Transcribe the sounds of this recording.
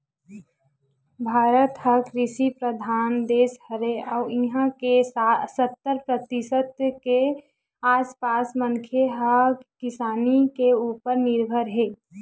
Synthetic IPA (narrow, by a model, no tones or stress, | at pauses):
bʱaːɾət̪həkɾɪʃipɾəd̪ʱaːnd̪eːshəɾeɔʊiɦãkesasət̪ːəɾpɾət̪isət̪ke | aːspaːsmənkʰjeɦəkɪsaːnikeuːpəɾnɪɾbʱəɾɦe